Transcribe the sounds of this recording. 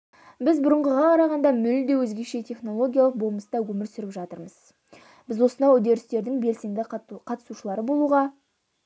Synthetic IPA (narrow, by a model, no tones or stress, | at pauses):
bɪzbʊɾəɴʁəʁɑqʰɑɾɑʁɑnd̪ɑmʏld̪e̞wɵzɡʲe̞ʃe̞t̪ʰe̞χno̞lˠo̞ɡʲijalˠəqbolˠməsəd̪ɑwɵmɪɾsʏɾɪpʒɑt̪əɾməz̥ | b̥ɪzwo̞sənd̪ɑjʊd̪eɾɪst̪e̞ɾd̪ɪŋbe̞lsijnd̪ɪqʰɑt̪ə̥suʃəlˠɑɾəbo̞lˠuʁɑ